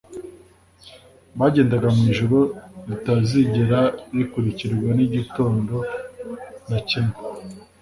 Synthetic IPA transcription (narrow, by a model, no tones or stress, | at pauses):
βaɟe̞ːndaɡamwiːʒuɾo̞βitaziɟeɾaβikuɾiciɾiɾɡwaniɟito̞ːndo̞ | nacime